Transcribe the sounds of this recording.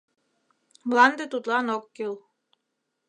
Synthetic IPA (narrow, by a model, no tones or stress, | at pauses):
blˠɑnd̪ət̪ut̪lˠɑnokːilˠ